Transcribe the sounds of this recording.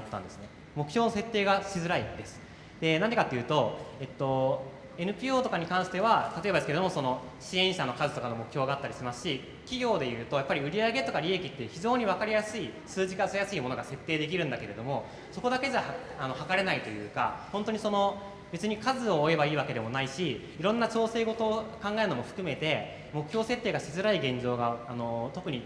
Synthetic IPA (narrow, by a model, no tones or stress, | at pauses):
t̪ːã̰nd̪e̞sɨ̥ne̞ | mo̞kɯ̟çʲo̞ːnose̞t̪ːe̞ːɡaɕizɨɾaid̪e̞sɨ̥ | d̪̥e̞nãnd̪ekat̪ːejɯ̟ːt̪o̞e̞t̪ːo̞ | e̞nɯ̟pʲiːoːt̪o̞kaɲ̟ikãɰ̃ɕi̥t̪eβat̪at̪oe̞bad̪esɨ̥keed̪omoso̞no̞ɕiẽ̞ɰ̃ɕano̞kazɨt̪o̞kano̞mo̞kɯ̟çʲjo̞ːɡaːt̪ːaɾʲiɕimasɨ̥ɕi | kʲiɡʲo̞ːd̪e̞jɯ̟ːt̪o̞japːaɾʲiɯ̟ɾʲiaɡe̞t̪o̞kaɾʲiekʲit̪ːe̟çiʑo̞ːɲ̟iβakaɾʲijasɨisɨːʑikasɨjasɨimo̞no̞ɡase̞t̪ːe̞ːd̪e̞k̬ʲiɾɯ̟̃nd̪ake̞ɾe̞d̪o̞mo̞ | so̞ko̞d̪ake̞d͡ʑa | ano̞hakaɾe̞nait̪o̞jɯ̟ːka̰hõnt̪oɲ̟iso̞no̞ | be̞t͡sɨɲ̟ikazɨo̞ːe̞baiːβake̞d̪e̞mo̞naiɕiː | ɾõ̞nːat͡ɕo̞ːse̞ːɡo̞t̪o̞ːkãŋɡaeɾɯ̟no̞moɸɯ̟̥kɯ̟me̞t̪e̞ | mo̞kɯ̟çʲjo̞ːse̞t̪ːeːɡaɕizɨɾaiɡẽ̞ɲd͡ʑo̞ːɡaːno̞t̪o̞kɯ̟ɲ̟i